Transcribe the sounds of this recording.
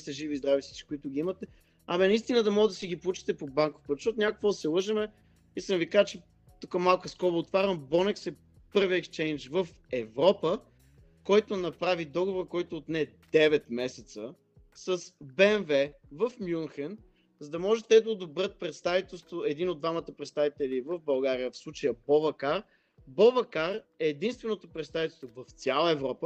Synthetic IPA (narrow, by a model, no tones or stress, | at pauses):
sɛʒivizd̪ɾavisi̥t͡ʃi̥kʊit̪ʊɡʲiimɐt̪ɛ | ɐmɛnɐist̪inəd̪ɐmɔɡəd̪ɐsiɡipoʊut͡ʃɛ̥t̪ɛpobaŋko̥fpət̪ʃɔt̪ʊnʲakokvod̪ɐsɛlˠɤʒəmɛ | iskənvikaʒət͡ʃɛ | t̪ukəmalˠkəskɔɾʊːt̪vaɾʲəmbɔnɛksɛ | pɤɾviɛkst͡ʃɛjnt͡ʃvəf | ɛvɾɔpə | kɔjt̪onɐpɾavid̪ɔɡovoɾkɔjt̪oːt̪nɛd̪ɛvɛt̪mɛsɛt̪sə | səsbɛnvɛ | vəfmjunxən | zɐd̪ɐmɔʒɛt̪ɛd̪ɐod̪obɾət̪̚pɾɛt̪st̪avit̪ɛlˠst̪voɛd̪inod̪vamət̪əpɾɛt̪st̪avit̪ɛlivəvbɐlˠɡaɾijəfslˠut͡ʃəjəpɔvɐkaɾ | bɔvɐkaɾɛːd̪inst̪vɛnot̪opɾɛt̪st̪avit̪ɛlˠst̪vovɐft̪sʲjalˠəɛvɾɔpə